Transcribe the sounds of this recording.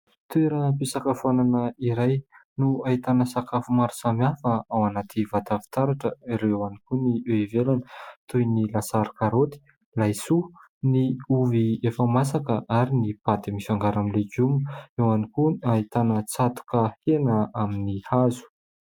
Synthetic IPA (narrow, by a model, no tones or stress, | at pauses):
t̪ueɾəpisakafuananəiɾajnuaɦit̪anəsakafumaɾu̥samiafəawanat̪ʰivat̪avi̥t̪aɾaʈ͡ʂəiɾewanikunieivelanə̥t̪ujnilasaɾi̥kaɾot̪i̥ | lajsu | niuviefəmasakəʔaɾinipat̪imifaŋɡaɾamileɡumewanikuait̪anət͡sat̪u̥kəhenəaminihazu̥